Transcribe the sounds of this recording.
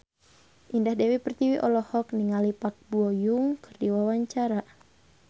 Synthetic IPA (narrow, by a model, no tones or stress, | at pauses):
ʔindahdewipərt̪iwiʔɔlɔhɔkniŋalipak̚buɔjuŋkɨrdiwawaɲt͡ʃaɾa